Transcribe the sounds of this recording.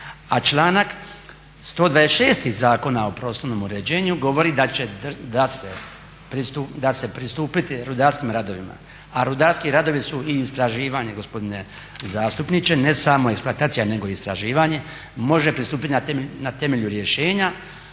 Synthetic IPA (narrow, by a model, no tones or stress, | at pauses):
at͡ʃlˠaːnak | st̪o̞ːd̪ʋad̪esʃe̞ːst̪izaːko̞naopɾo̞ːslˠoʋno̞ːmuɾe̞d͡ʑe̞ːɲuɡo̞ʋo̞ɾid̪at͡ɕed̪d̪ase | pɾiud̪ase̞pɾist̪uːpit̪iɾud̪aːɾskiːmɾad̪o̞ʋima̰ | aɾud̪aːɾskiɾad̪o̞ʋisuiːst̪ɾaʒiːʋaɲe̞ɡo̞spod̪ine̞ | zaːst̪upnit͡ʃe̞ne̞samo̞eksploat̪aːt̪sijane̞ɡo̞ist̪ɾaʒiːʋaɲe̞ | mo̞ʒe̞pɾist̪uːpit̪inat̪emnat̪e̞me̞ʎuɾje̞ʃe̞ːɲa